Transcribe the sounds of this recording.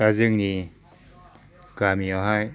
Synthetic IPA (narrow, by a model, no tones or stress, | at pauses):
azɯŋni | kamiɔɦaj